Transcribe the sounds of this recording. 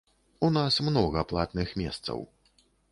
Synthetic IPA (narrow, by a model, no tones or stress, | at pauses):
unasmnɔɣɐplˠa̰t̪nɨxmʲɛst̪sɐ̰w